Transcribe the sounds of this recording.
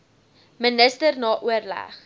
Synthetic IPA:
mənəstərnɑːʔuərlæ̰χ

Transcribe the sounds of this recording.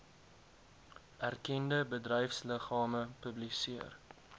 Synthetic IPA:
ʔærkɛndəbədrəjfsləχɑːməpəblisiər

